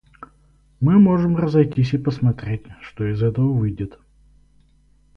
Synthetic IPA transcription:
mɨmo̞ʐɨmrəzɐjtʲis̬ʲipəsmɐt̪ɾʲetʲʂt̪oɪzɛt̪əvəvɨjdʲɪt̪

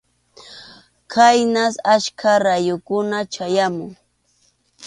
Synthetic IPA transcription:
kʰajnasaʃkʰaɾajʊkʊnat͡ʃajamʊŋ

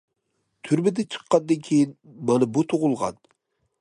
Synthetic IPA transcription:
t̪ʰyɾmɪd̪ɛt͡ʃʰɨ̥qːɑnd̪ɨnkʲʰejinmɑnɨbut̪ʰoʁʊlˠʁɑ̰n

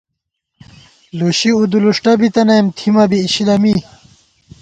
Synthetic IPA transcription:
loɕiud̪uluʂʈɐbit̪ɐnɐmt̪ʰimɐbiːɕilɐmi

